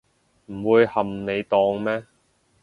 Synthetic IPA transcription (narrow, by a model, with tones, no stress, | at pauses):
m̩˨˩wuː˨˧jhɐ˨mne˨˧jt̪ɔː˧ŋmɛː˥